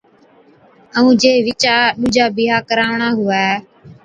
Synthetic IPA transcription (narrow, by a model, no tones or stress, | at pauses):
əũːd͡ʒeːʋɪt͡ʃaːɗuːd͡ʒaːbɪɦaːkəɾaːʋɳaːɦʊaː